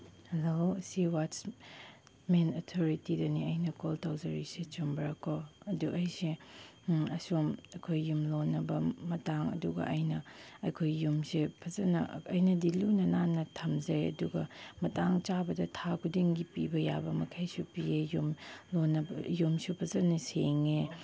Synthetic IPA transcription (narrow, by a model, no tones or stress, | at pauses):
heloɐsiwat͡ʃ | menɐtʰoɾitidɐniɐjnɐkoltawzɐɾiset͡ʃumbɐɾakʰːoɐduʔɐjse | ɐsomɐkʰojːumlonːɐbɐmɐtaŋɐ̰duɡɐ̰ʔɐjnɐɐjkʰojːumsepʰɐzɐnɐɐjnɐdilunɐnanɐtʰɐmzɐɾeɐ̰duɡɐmɐtaŋt͡ʃabɐdɐtʰakʰudiŋɡipibɐja̰bɐmɐkʰajsupiejumlonɐbjumsupʰɐzɐnɐseŋe